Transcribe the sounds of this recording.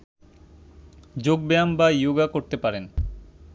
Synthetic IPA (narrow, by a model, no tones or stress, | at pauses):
d͡ʑoɡ̚beambajoɡakoɾt̪epaɾen